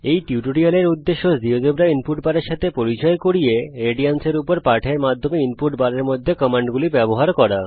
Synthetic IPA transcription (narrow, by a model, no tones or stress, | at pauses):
ejʈiuʈoɽialeɾud̪ːeʃːod͡ʑiod̪ebɾainpuʈbaɾeɾʃat̪ʰepoɾit͡ɕɔekoɾijeɾeɖianseɾupoɾpaɾʈʰeɾmad̪ʱːomeinpuʈbaɾeɾmod̪ʱːekɔmaɳɖɡulibɛboɦaɾkɔɾa